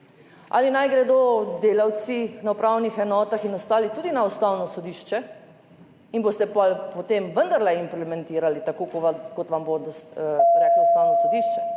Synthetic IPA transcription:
a̰linajɡɾɛd̪od̪eːlawt̪sinaupɾawnixɛnɔːt̪axinɔst̪aːlit̪uːd̪inaɔst̪awnɔsɔd̪iʃt͡ʃɛ | inboːst̪ɛpɔlpot̪emʋənd̪aɾlɛimplɛmɛnt̪iːɾalit̪akokkot̪ʋambod̪ɾɛːklaɔst̪awnɔsod̪iːʃt͡ʃɛ

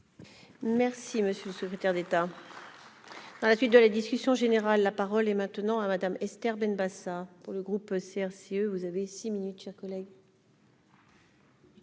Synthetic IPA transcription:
mɛʁsiməsjøləsəkχet̪ɛʁd̪et̪a | d̪̥ɑ̃lasɥit̪̚d̪əlad̪iskʲysjɔ̃ʒeneʁalːapaʁɔlɛmɛ̃t̪ənɑ̃amad̪amɛst̪ɛʁbɛnbasapuʁləɡʁupseɛʁseøvuzavesiminyt̪ʃɛʁkɔlɛɡ

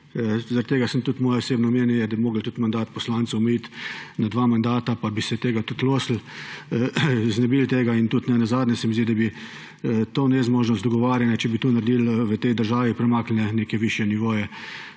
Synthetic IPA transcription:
zaɾat̪ːeɡasəmt̪ut̪mɔːjɛɔseːbnɔmeːnjɛjɛd̪abimoːɡəlt̪ut̪mand̪aːt̪pɔslaːnt̪sɐwmɛit̪nad̪ʋaːmand̪aːt̪apabisɛt̪eːɡat̪ut̪loːsl̩ | znɛbilt̪eːɡaint̪ut̪nɛnazaːd̪nʲɛsɛmizd̪id̪abi | t̪oːnɛzmoːʒnɔst̪ɔɡɔʋaːɾjanjɛt͡ʃɛbit̪uːnaɾd̪ilʋət̪ɛjd̪əɾʒaːʋipɾɛmaːklnɛneːkɛʋiʃjɛniʋoːjɛ

